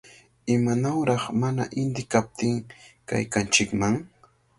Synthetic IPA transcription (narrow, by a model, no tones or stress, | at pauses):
ɪmanawɾɑχmanaʔɪnd̪ɪkap̚t̪ɪŋka̰jkant͡ʃɪkmaŋ